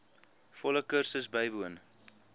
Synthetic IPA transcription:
fɔləkərsəsbəjbuən

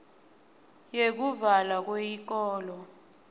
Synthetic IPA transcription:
jek̬uvalak̬wejik̬ɔːlɔ

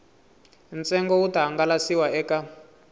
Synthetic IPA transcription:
nt͡sɛŋɡɔutaɦaŋɡalasiwaɛːka

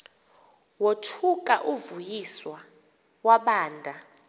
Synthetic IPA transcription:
wotʰukʼaʔuvujiswa | waɓaːndʱa

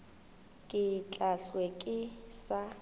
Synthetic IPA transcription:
kʼɪt͡ɬʼaɬwekʼɪsa

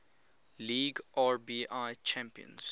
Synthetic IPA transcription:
liːɡʔaɹbiːʔaɪt͡ʃʰæ̃mpiə̰̃ns

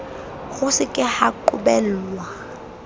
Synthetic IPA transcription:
ɣʊsɪkʼɪhaǃʊ̰bɛlwa

